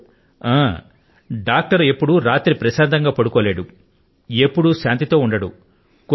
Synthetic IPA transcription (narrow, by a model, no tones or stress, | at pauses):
aː | ɖaːk̚ʈɐɾe̞pːuɽuɾaːt̪ɾipɾɐʃaːd̪ɐŋɡaːpɐɽukɔːle̞ːɽu | e̞pːuɽuʃaːnt̪it̪o̞ːuɳɖɐɽṵ | k